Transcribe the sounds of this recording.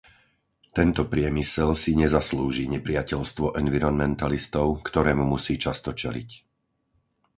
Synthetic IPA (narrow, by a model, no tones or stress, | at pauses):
t̪ɛnt̪ɔpɾɪɛmisɛlsiɲɛzasluːʒiɲɛpɾɪacɛʎst̪ʋɔʔɛnʋiɾɔnmɛnt̪alist̪ɔʊkt̪ɔɾɛːmumusiːt͡ʃast̪ɔt͡ʃɛlḭc